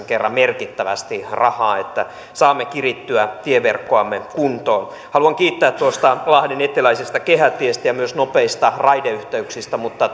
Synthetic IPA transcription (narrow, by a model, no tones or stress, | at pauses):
ŋkerːɑmmerkit̪ːæʋæ̰st̪irɑhɑːet̪ːæ | sɑːmːekirit̪ːyæt̪ieʋerkːoɑmːekunt̪oːn | hɑluɑŋkiːt̪ːæːt̪tːuost̪ɑlɑhdenet̪ːilæisist̪ɑkehæt̪ːˑiest̪æjɑmyøsnopeist̪ɑrɑjdeyht̪æyksist̪æmut̪ːɑ